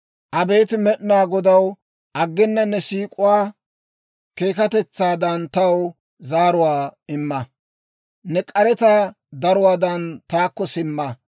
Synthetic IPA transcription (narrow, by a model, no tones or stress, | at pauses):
ʔɐbe̞ːt̪ɪmɛɗnaːɡɔd̪ɐw | ʔɐɡːɪnːɐnːɛsiːkʼʊwaː | ke̞ːkɐt̪ɛt͡sːaːd̪ɐnt̪ɐw | zaːɾʊwaːɪmːɐ | nɛkʼɐɾɛt̪ɐ | d̪ɐɾʊwaːd̪ɐnt̪aːkːɔsɪmːɐ